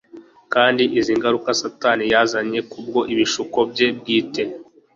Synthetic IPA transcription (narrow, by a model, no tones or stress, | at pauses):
kaːndiʔiziːŋɡaɾukasatanijazaɲe̞kub̚ɡo̞ʔiβiʃuko̞bje̞b̚ɡiːte̞